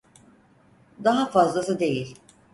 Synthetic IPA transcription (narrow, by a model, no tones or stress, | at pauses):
d̪aɦafazlˠasɯd̪e̞jilʲ